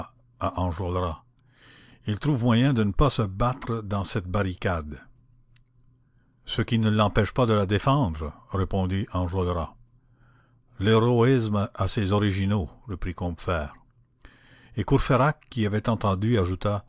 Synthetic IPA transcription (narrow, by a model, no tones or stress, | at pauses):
aʔɑ̃ʒɔlʁa | ilt̪ʁuvmwajɛ̃d̪ənəpasəbat̪ʁəd̪ɑ̃sɛt̪̚baʁikad̪ | səkʲinəlɑ̃pɛʃpad̪əlad̪efɑ̃d̪ʁʁepɔ̃d̪iʔɑ̃ʒɔlʁa | leʁɔismasezɔʁiʒinoʁəpʁikɔ̃bfɛːʁ | ekuʁfeʁakːiavɛt̪ɑ̃t̪ɑ̃d̪yaʒut̪a